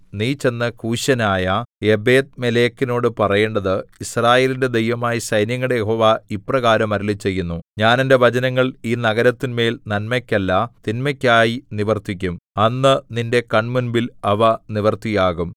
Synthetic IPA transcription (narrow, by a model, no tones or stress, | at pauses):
niːt͡ɕːe̞nːɨkʰuːɕɐnaːjɐe̞be̞ːd̪̚mele̞ːkːino̞ːɽɨpɐrɐjeːɳɖɐðɨisraːje̞ːlinde̞d̪e̞jʋɐmaːjisɐjnjɐŋːɐɽejeɦo̞ːʋaiprɐɣaːɾɐmɐɾilit͡ɕːe̞jːunːuɲaːnende̞ʋɐd͡ʑɐnɐŋːɐɭiːnɐɣɐɾɐt̪ːinme̞ːlnɐnmɐkʲːɐlːɐt̪inmɐkʲːaːjiniʋɐrt̪ikʲːumɐnːɨninde̞kɐɳmunbilɐʋɐniʋɐrt̪ːijaːɣum